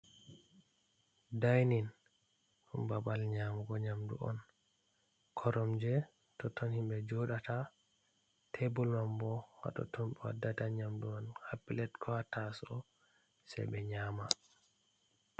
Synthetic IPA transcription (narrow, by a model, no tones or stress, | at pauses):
dajnin | umbabalɲamɡɔɲamdṵʔɔ̰n | kʰɔɾɔmd͡ʒɛ | tɔtʰːɔnhimbɛd͡ʒɔɗatʰa | tʰebulmambɔwa̰ɗɔ̰tʰɔmɓɛwa̰dːataɲamdumanhapːilɛtkʰɔhatːasɔ | sɛ̰bɛɲaːma